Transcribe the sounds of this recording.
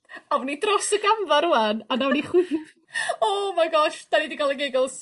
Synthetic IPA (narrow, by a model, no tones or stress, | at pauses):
avnidrɔsəɡamvaɾʊananawniχwɪ | ɔmaɡɔʃd̥anidiɡɔlˠəɡeɡɔlˠs